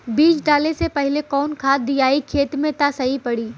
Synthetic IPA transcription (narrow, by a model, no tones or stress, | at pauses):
biːt͡ʃɖaːlesepɐɦɪlekɔːnkʰaːd̪iaːikʰeːt̪mẽt̪asɐɦipɐɽiː